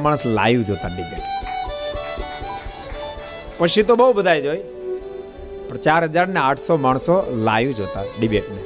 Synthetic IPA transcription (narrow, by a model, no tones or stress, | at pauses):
maːɽəsla̰ːjũd͡ʒʱoːt̪aɖɪbḛːʈ | pəʃit̪̬obəubəd̪ʱaːjd͡ʒoːj | pəɾt͡ʃaːɾɦəd͡ʒaɾneaːʈʰsɔmaːɳ̃sɔla̰ːjũd͡ʒoːt̪aɖɪbeːʈne